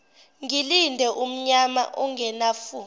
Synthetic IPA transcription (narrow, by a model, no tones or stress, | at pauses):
ŋilindʱɛʔum̩ɲama̰ʔɔŋʱɛnaːfu